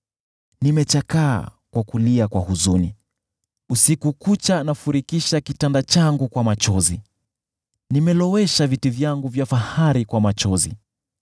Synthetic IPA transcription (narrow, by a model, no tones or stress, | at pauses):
nimɛt͡ʃaka̰ːkwakuliakwahuzunḭ | usikukut͡ʃanafuɾikiʃakitandat͡ʃaŋɡukwamat͡ʃɔzi | nimɛlɔwɛʃavitivjaŋɡuvjafahaɾikwamat͡ʃɔzḭ